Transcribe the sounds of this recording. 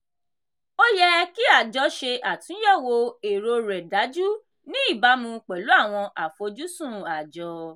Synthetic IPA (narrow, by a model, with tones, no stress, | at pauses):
o˦jɛ˦ki˦a˦˨d͡ʒɔ˨˧ʃe˧ʔa˨tũ˨˦jɛ˦˨wo˧e˨ɾo˧ɾɛ˨da˨˦d͡ʒu˦ | nĩ˦i˦˨ba˧˦mũ˧k͡pɛ˨lu˨˦a˦˨w̃ɔ̃˧ʔa˨fo˧d͡ʒu˦sũ˦˨a˨d͡ʒɔ˧˦